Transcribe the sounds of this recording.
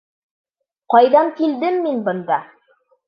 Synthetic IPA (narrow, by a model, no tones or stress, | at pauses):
qɑjðɑŋkild̪ɘmːinbɤ̆nd̪ɑ